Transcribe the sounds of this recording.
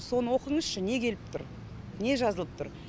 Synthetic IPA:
so̞nəwo̞qəɴəzʃəne̞kʲʰe̞lɪp̚t̪ʰʊɾ | ne̞ʒɑzəlˠəp̚t̪ʰʊɾ

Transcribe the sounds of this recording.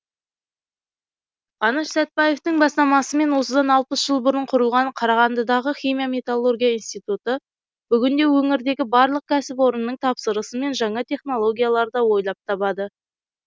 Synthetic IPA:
ʁ̥ɑnɑʃsæt̪̚pɑje̞ft̪ɪŋbɑst̪ɑmɑsəme̞nwo̞səd̪ɑnɑlˠpəsʒ̥əlˠbʊɾəɴqʰʊɾəlˠʁɑnqʰɑɾɑʁɑnd̪əd̪ɑʁəχʲimijamʲe̞t̪alˠːo̞rɡʲijaijnst̪ijt̪ut̪ə | b̥ʏɡʲɪnd̪e̞wɵŋɪɾd̪e̞ɡʲɪbɑɾlˠəq̚kʲʰæsɪpwo̞ɾənːəɴt̪ʰɑpsəɾəsəme̞nʒɑɴɑt̪ʰe̞χno̞lˠo̞ɡʲijalˠɑɾd̪ɑwo̞jlˠɑp̚t̪ʰɑβɑd̪ə

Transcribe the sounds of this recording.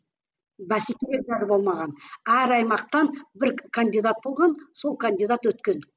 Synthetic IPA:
bæsikʲeleɾʒæɾbo̞lˠmɑʁɑnæɾɑjmɑqt̪ɑnbɪɾkʰand̪ijd̪at̪̚bo̞lˠʁɑnso̞lˠkʰanʲd̪id̪at̪wɵt̪kʲe̞n

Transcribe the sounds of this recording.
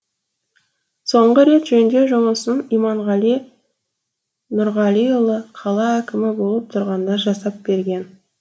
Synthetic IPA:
so̞ɴʁəɾe̞t̪ʒɵnd̪e̞ʒʊməsənijmɑɴʁɑli | nʊɾʁɑlʲijolˠəqʰɑlˠɑækʲɪmɪbo̞lˠəp̚t̪ʰʊɾʁɑnd̪ɑʒɑsɑp̚be̞ɾɡʲe̞n

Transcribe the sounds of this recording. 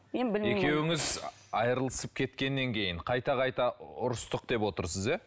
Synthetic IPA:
ekʲe̞wɪŋɪz | ɑjɾəlˠəsəp̚kʲʰe̞t̪kʲe̞nːe̞ŋkʲʰe̞jɪɴqʰɑjt̪ɑqɑjt̪ɑʊɾəst̪əq̚d̪e̞pwo̞t̪əɾsəze

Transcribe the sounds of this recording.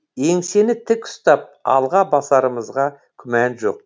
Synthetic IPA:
e̞ŋse̞nɪt̪ʰɪkʊ̥st̪ɑp̚ɑ̰lˠʁɑbɑsɑɾəməzʁɑ | kʲʰʏmænʒo̞̰q̚

